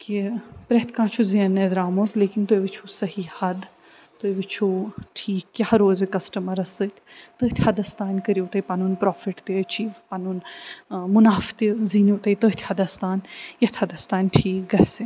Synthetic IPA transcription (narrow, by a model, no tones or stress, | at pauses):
kipɾeɦt̪ʰkãːt͡ʃʰuziɐned̪ɾaːmot̪leːkint̪ojʋit͡ʃʰusɐɦihɐd̪ | t̪ojʋit͡ʃʰuʈʰiːkːɐhɐɾoːzikɐsʈəmɐɾɐsət̪ʲt̪əːɦt̪ʰʲhɐd̪ɐst̪aːnʲkəɾiut̪ɐipanuːnpɾɔːfiʈt̪eɐt͡ʃiːʋpanuːn | mʊnaːft̪iziːnut̪ɐit̪əːɦt̪ʰʲhɐd̪ɐst̪aːnjɐt̪ʲʰhɐd̪ɐst̪aːnʲʈʰiːk̚ɡɐse